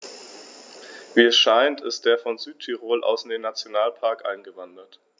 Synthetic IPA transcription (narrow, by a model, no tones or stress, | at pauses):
viːɛsʃaɪntʰɪstd̥eːɐfɔnzyːtʰːyʁoːlʔa̰ʊsɪndeːnːat͡sjonaːlpʰaɐkʔa̰ɪnɡəvandɐt